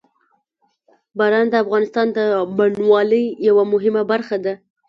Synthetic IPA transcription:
baɾɑnd̪əafɣɑnɪst̪ɑnd̪əmaɳwɑləjjawamʊɦɪmabaɾxad̪a

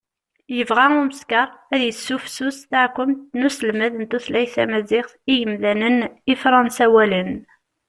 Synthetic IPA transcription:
jəvʁæʊɾməskɑɾˤæðjəsːufsusθaʕkʷːʊmt̪nusəlmæðənt̪uθlæjθæ̰mæzɪχθijəmlænənifɾˤɑnsæwælən

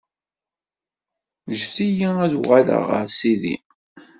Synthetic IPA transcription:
ʒθijiæðʁalə̰ʁə̰ɾsiðḭ

